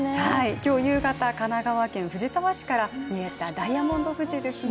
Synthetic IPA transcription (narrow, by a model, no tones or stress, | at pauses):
haikʲo̞ːjɯ̟ːɡat̪akanaɡaβakẽ̞ɰ̃ɸɯ̟ʑit̪aβaɕi̥kaɾaɲie̞t̪ad̪aiamõ̞nd̪o̞ɸɯ̟ʑid̪e̞sɨn